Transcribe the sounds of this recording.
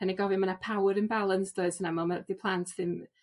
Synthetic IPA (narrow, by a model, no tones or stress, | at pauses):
aniɡɔvimanapʰawɾənbalˠənsd̥oɨd̥sənamɔlmadipʰlˠantʰðɪm